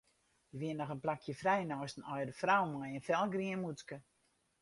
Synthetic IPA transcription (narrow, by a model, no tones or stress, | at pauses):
jəʋiənːɔxənplakʰjəfrɛjnɔstən̩ɔjdəfrawmɔjənfɛlˠɡriənmutkə